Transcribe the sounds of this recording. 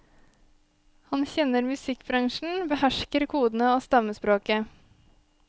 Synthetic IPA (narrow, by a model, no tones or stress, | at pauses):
hɑnçɛnəɾmʉsɪkbɾɑŋʃɳ̩bəhæʃkəɾkʰuːd̪n̩əoːst̪ɑməspɾoːkə